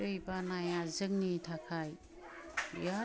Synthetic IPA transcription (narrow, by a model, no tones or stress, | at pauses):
ɯjbanajazɯŋ̚nitʰakʰaj | ja